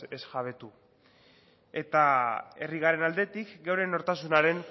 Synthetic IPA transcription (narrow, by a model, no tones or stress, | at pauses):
esʝaβe̞t̪u | e̞t̪ae̞riɣ̞are̞nald̪e̞t̪ikɡewɾe̞no̞ɾt̪asunaɾe̞n